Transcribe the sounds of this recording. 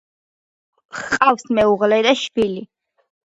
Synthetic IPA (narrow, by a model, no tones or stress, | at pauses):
χqʼafsmɛuʁlɛd̪aʃbili